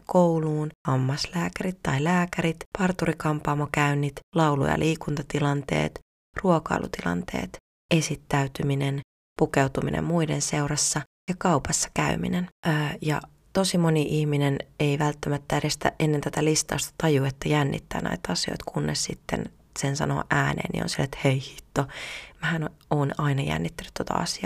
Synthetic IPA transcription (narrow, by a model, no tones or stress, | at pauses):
kowluːnhɑmːɑslæːkæɾit̪tːɑilæːkæɾit̪pɑrt̪urikɑmpɑmːokæynːit̪lɑulṵjɑ̰lʔiːkunt̪ɑt̪ilɑnt̪e̞̰ːt̪ | ruokɑ̰ilʔṵt̪ilɑ̰nt̪ḛːt̪ | e̞sit̪ːæyt̪yminen | pukewt̪umḭnʔḛmmuidenseurɑsːɑ | jɑkɑupɑsːɑ̥kæymḭnenəːjɑ̰ | t̪osimoniʔihmineneiʋælt̪ːæmæt̪ːæeɾest̪æ̰ʔʔenːent̪æt̪ælist̪ɑːst̪ɑ̥t̪ɑjuet̪ːæjænːḭt̪ːæ̰ːnæ̰it̪ɑsio̰it̪kʰunːessit̪ːḛn | sensɑ̰no̰ʔæːnḛːnːḭo̰nsilːet̪heihi̥t̪ːomæhænoːnɑinɑjæ̰nːit̪ːænːyt̪t̪ot̪ɑ̰ɑ̰siɑː